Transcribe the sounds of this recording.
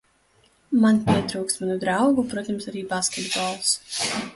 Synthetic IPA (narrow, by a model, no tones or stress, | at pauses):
manpʲiɛt̪ɾuːkst̪manud̪ɾawɡupɾuɔt̪amsaɾiːbaːskʲɛd̪bɔːlˠs